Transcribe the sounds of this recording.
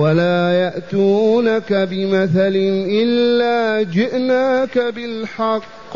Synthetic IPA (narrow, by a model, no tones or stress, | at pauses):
walaːjaʔt̪uːnakabɪmaθalɪnʔɪlːaːd͡ʒɪʔnaːkabɪlħɑqː